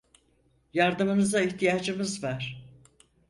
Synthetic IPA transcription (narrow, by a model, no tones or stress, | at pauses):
jaɾd̪ɯmɯnɯzaiçt̪ʰijaːd͡ʒɯmɯzvæɾ̥